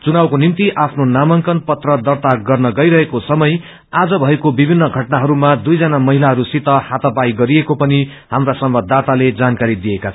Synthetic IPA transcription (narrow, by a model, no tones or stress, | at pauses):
t͡sunawkonimt̪iʔapʰnonamʌŋkʌnpʌt̪rʌd̪ʌrt̪aɡʌrnʌɡʌjɾʌɦekosʌmʌj | ad͡zʌbʱʌekobibʱinːʌɡʱʌʈnaɦʌɾumad̪ujd͡zʌnamʌɦilaɦʌɾusit̪ʌhat̪ʌpajɡʌɾiekopʌni | ɦamrasʌmbʌd̪ʱːat̪aled͡zankaɾid̪ijekat͡sʰ